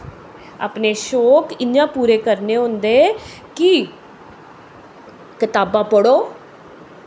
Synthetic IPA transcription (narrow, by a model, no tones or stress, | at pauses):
a̰ːpneːʃoːkɪnjãːpuːɾeːkəɾneːɦõnd̪eː | kɪ | kɪt̪aːbãːpəɽoː